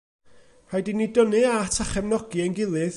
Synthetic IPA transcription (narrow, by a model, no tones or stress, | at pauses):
hajdinidɔnɨatʰaχɛmnɔɡiənɡɪlˠɨð